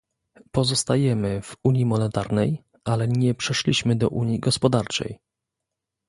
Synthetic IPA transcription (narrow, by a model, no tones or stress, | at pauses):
pɔzɔst̪ajɛmɘvuɲjimɔnɛt̪aɾnɛj | alɛɲɛpʂɛʂlʲiɕmɘd̪ɔ̰ʔuɲjiɡɔspɔd̪aɾt͡ʂɛ̰j